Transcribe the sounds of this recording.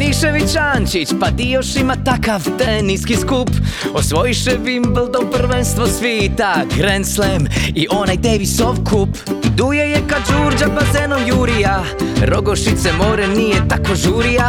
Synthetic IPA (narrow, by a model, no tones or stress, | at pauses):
iʃeʋit͡ʃaːnt͡ʃit͡ʃpad̪io̞ʃimat̪akaʋt̪eniskiskupo̞sʋo̞jiʃɛvimblˠd̪oprʋenst̪ʋosʋiːt̪aɡɾenslemiʔo̞najd̪eːʋisoʋkʰupd̪ujejekad͡ʒuːɾd͡ʒabazenojuːɾija | ɾo̞ɡoʃit̪semoːɾenijet̪ako̞ʒuːɾija